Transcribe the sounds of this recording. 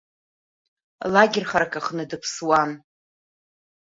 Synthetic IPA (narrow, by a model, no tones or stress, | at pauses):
laɡʲɪrχaɾakʰʼaχnɨdɨpʰswan